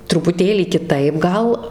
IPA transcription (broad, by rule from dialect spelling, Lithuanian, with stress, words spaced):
trʊpʊˈtʲeːlʲiː kʲɪˈtɐɪp ˈɡɐlˠ